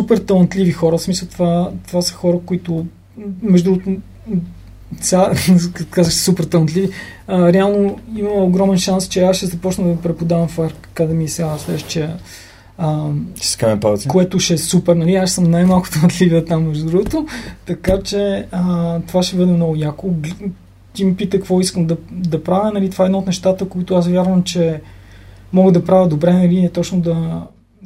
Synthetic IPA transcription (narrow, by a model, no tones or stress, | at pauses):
supɛɾt̪ɐlˠnt̪livixɔɾəfsmisəlˠt̪vat̪ovasə̥xɔɾəkoit̪ʊ | mɛʒd̪uɡt̪o | sʲakakt̪kazəʃssupɛɾt̪ɐlˠnt̪lʲiviəɾɛalˠnoimɐoɡɾɔmɛnʃanst͡ʃɛasʃɛzɐpɔt͡ʃnəd̪ɐpɾɛpod̪avɐmfaɾkkad̪ɐmiɛsʲjalˠslɛʃt͡ʃɛ | ə̥skɛpat̪koɛt̪ʊʃɛsupɛɾnɐliaʃsɤmnajmalˠkʊ̥t̪umɐd̪livət̪amːɛʒd̪ud̪ɾuɡot̪ot̪ɐkat͡ʃɛət̪ovaʃɛbɤd̪ɛmnɔɡʊjakoɡ | t̪imipit̪əkkvɔiskəmd̪ɐd̪ɐpɾavʲənɐlit̪ovaɛd̪naot̪nɛʃt̪at̪əkoit̪ʊasvʲjaɾvəmt͡ʃɛ | mɔɡəd̪ɐpɾavʲəd̪obɾɛnɐliɛt̪ɔt͡ʃnʊd̪ɐ